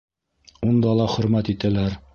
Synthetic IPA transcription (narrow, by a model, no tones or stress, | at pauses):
und̪ɑlˠɑχɵ̆ɾmæt̪it̪ælæɾ